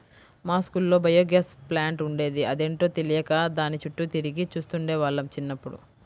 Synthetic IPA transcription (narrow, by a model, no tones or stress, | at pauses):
maːskulːo̞ːbʱɐjoːɡjɐsplaːɳʈuɳɖe̞ːd̪iɐd̪eːɳʈo̞ːt̪elijɐkad̪aːnit͡ʃuʈːut̪iɾiɡit͡ʃuːst̪uɳɖeːʋaːɭːɐmt͡ʃinːɐpːuɽṵ